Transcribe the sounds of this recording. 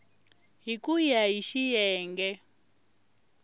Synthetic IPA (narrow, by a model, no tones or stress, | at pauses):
ɦikujaɦiʃijɛːŋɡɛ